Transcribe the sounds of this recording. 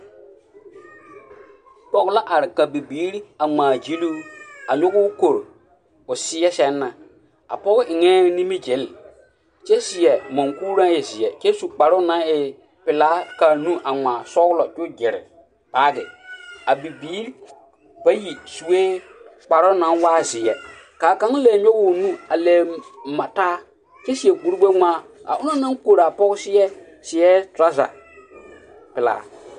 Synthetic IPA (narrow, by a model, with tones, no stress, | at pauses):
k͡pɔ˨ɣla˦ʔa˨ɾɪ˨ka˨bi˨biː˨˦ɾa˨ŋ͡mãː˨d͡ʒi˦luː˦a˨ɲʊ˦ɡʊ˦ko˨ɾ | ʊ˨sɪ˦ɛ˦sɛ˦nːa˨ | a̰˨pɔ˦ɡʊ˦ʔɪ˨ŋɛ˦nĩ˦mi˦d͡ʒe˨˦l | t͡ʃɛ˦sɪ˨ɛ˨mɔ̃˨ŋku˦ɾã˦ɪ˨zɪ˨ɛ˨t͡ʃɛ˦su˨k͡pa˨ɾʊ˦nã˨˦ɪ˨ | pɪ˨laː˨˦ka˨nũ˦ʔa˨ŋaː˨sɔ˦ɣlɔ˨d͡ʒʊ˦d͡ʒɪ˨ɾɪ̰˨ | paː˨˦ɡɪ˨a˨bi˨biː˨˦ | b̥a˦ji˨su˨eː˦ | k͡pa˨ɾʊ˦nã˨˦waː˦˨zɪ˨jɛ˨ | kaː˨kã˦lɛː˨ɲᶣɔ˦wʊ˨nũ˦a˨lɛ˨mã˨taː˦ | kɛ˦si˨ɛ˨ɡu˨ɾu˦ɡ͡be˦ŋãː˦a̰˨ʔʊ̃˦nã˦nã˦ko˨ɾa˨pɔ˦ksɪ˦ɛ˦ | sɪ˨jɛ˦tɾa˦za̰˨ | pɪ˨la̰ː˨˦